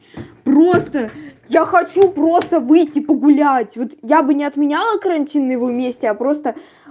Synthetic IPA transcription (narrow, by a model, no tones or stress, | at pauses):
pro̞st̪ə | jaxɐt͡ɕupɾo̞st̪əvɨjtʲːɪpəɡʊlʲætʲvo̞t̪jabɨnʲɪɐt̪mʲɪnʲalˠəkəɾɐnʲtʲinːɨjɪvomʲesʲtʲɪapɾo̞st̪ə